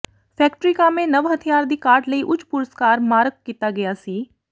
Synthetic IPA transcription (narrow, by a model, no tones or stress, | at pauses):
pʰɛːkʈɾiːkaːmẽːnəʋɦət̪ʰijaːɾd̪iːkaːɾʈləiːʔʊt͡ʃpʊɾəskaːɾmaːɾəɡ̚kːiːt̪aːɡɪjaːsiː